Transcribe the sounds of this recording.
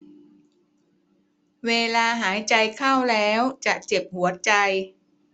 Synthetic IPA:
weː˧laː˧ɦaː˩˦jt͡ɕa˧jkʰaː˥˩wlɛː˦˥wt͡ɕa˨˩ʔt͡ɕe˨˩p̚hu˩˦ɐt͡ɕa˧j

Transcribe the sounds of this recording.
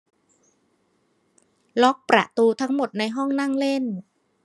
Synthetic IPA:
lɔ˦˥k̚pɾa̰˨˩ʔt̪uː˧t̪ʰa˦˥ŋmo˨˩t̪̚na˧jɦɔ˥˩ŋna˥˩ŋle˥˩n

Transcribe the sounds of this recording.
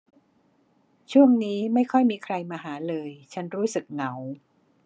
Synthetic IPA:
t͡ɕʰu˥˩əŋniː˦˥ma˥˩jkʰɔ˥˩jmiː˧kʰɾa˧jmaː˧ɦaː˩˦lɤː˧jt͡ɕʰa˦˥nɾuː˦˥sɯ˨˩k̚na˩˦w

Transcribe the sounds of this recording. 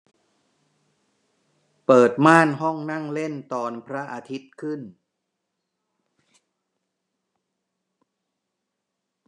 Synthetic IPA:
pɤː˨˩t̪̚maː˥˩nɦɔ˥˩ŋna˥˩ŋle˥˩nt̪ɔː˧npʰɾa˦˥ʔa˧t̪ʰi˦˥t̪̚kʰɯ˥˩n

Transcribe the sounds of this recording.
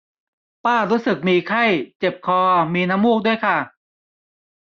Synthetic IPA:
paː˥˩ɾuː˦˥sɯ˨˩k̚miː˧kʰa˥˩jt͡ɕe˨˩p̚kʰɔː˧miː˧na˦˥mːu˥˩k̚du˥˩əjkʰa˥˩

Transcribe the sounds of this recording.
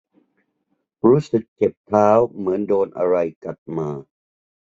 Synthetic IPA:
ɾuː˦˥sɯ˨˩k̚t͡ɕe˨˩p̚t̪ʰaː˦˥wmɯ˩˦əndoː˧nʔa˧ɾa˧jka˨˩t̪̚maː˧

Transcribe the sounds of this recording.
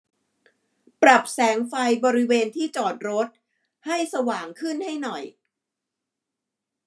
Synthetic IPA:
pɾa˨˩p̚sɛː˩˦ŋfa˧jbɔː˧ɾi˦˥weː˧nt̪ʰiː˥˩t͡ɕɔː˨˩t̪̚ɾo˦˥t̪̚ | ha˥˩jsa˧waː˨˩ŋkʰɯ˥˩nha˥˩jnɔ˨˩j

